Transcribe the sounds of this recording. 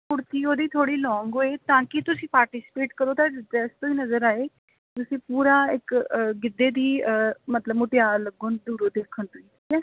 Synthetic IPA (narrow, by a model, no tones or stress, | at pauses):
pʊɽt̪iːoːd̪iːt̪ʰoːɽiːlɔːŋɡɦoːeːt̪ãːkɪt̪ʊsĩːpaːɾʈisɪ̥peːʈkəɾoːt̪aːɪɛːst̪õːiːnəzəɾaːeː | t̪ʊsĩːpuːɾaːɪkɡɪd̪eːd̪iːəmət̪ləbmʊʈɪjaːɾləɡoːnd̪uːɾoːd̪eːkʰːənt̪oiːiːkɛː